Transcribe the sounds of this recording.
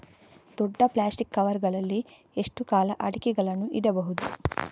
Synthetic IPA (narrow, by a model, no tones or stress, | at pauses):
d̪̥ɔɖːɐplaːsʈikːɐʋɐɾɡɐɭɐlːi | eʂʈukaːlɐʔɐɽikiɡɐlɐnuʔiɽɐbɐɦud̪u